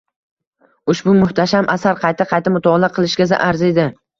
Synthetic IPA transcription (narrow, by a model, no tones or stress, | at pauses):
ʊʃbʊmʊht̪ʰaʃamʔasaɾqʰɑjt̪ʰɪqʰɑjt̪ʰamʊt̪ʰɒlaqʰɨlˠɪʃɡʲaza̰ʔaɾzed̪ɪ